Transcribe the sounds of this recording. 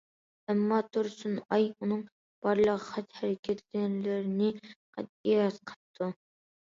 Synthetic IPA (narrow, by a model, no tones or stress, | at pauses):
ɛmːɑt̪ʰuɾsunɑjunɨŋ | b̥ɑɾlˠəʁəχæt̪hæɾɪkʲʰɛt̪ʰɡʲɛnlɪɾɪnɪqʰæ̰t̪̚iɑt̪qʰə̥p̚t̪ʰːu